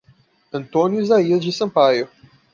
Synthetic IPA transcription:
ɐ̃nt̪õnjʊizaiɐzd͡ʒɪsɐ̃pajʊ

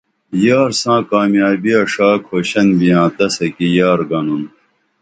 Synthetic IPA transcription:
jaːɾsãːkaːmjaːbiɐʂaːkʰhoːɕɐnbijãːt̪ɐsɐkijaːɾɡɐnun

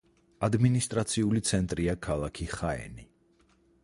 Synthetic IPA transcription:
ad̪minist̪ʼɾat̪sʰiulit̪sʰɛnt̪ʼɾiakʰalˠakʰiχaɛ̰ni

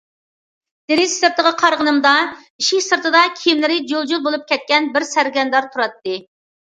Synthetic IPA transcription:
d̪̥eɾɪzsɨɾt̪əʁəqʰɑɾʁənɨmd̪ɑiʃikʲsɨɾt̪ʰɨd̪ɑkʲʰijimlɪɾɪd͡ʒolˠd͡ʒulˠbolˠup̚kʲʰɛt̪̚kʲɛnbɪɾsæɾɡʲɛnd̪ɑɾt̪ʰuɾɑt̪ːɨ

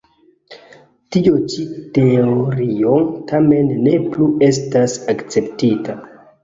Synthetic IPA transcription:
tiot͡ʃite̞oɾio̞ŋtame̞nːe̞plue̞s̬tasakt͡se̞ptita

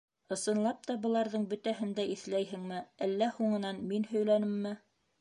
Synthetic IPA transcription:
ɤ̆sɤ̆nlˠɑp̚t̪ɑbɤ̆lˠɑɾðɤɴbɵ̆t̪æhɘ̆nd̪æiθlæjɦɘ̆ŋmɘælːæhuɴɤ̆nɑnminhɵ̆jlænɘmːɘ

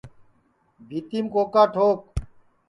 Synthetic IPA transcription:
bʱit̪imkoːkaːʈʰoːk̚

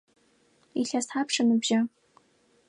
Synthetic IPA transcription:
iɬasħapʰʂanɨbʒa

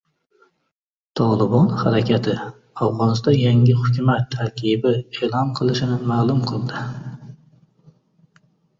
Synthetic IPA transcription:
t̪ʰɒlˠɪbɑnhaɾækʲʰat̪ʰɪ | ɑfʁɑnɨst̪ɒnjaŋʲɪhʊkʲumæt̪ʰːæɾkʲʰibɪeːlˠɑnqʰɨlˠɪʃɪnɪmæːlˠʊmqʰɨlˠd̪ɪ

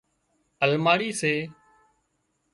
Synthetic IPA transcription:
əlmaːɾiːseː

